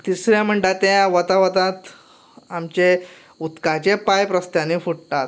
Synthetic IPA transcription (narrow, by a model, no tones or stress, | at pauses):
t̪isɾjam̤əɳɖat̪ãjʋət̪aʋət̪ãt̪ | amt͡ɕe | ut̪kat͡ɕepajpɾəst̪jãnifuɽt̪at̪